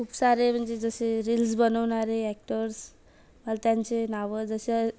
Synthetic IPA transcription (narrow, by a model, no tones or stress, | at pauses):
kʰuːpsaɾem̤əɳd͡zed͡zəseɾilsbənəʋnaɾeæk̚ʈəɾs | məlat̪jaɲt͡senaʋəd͡zəse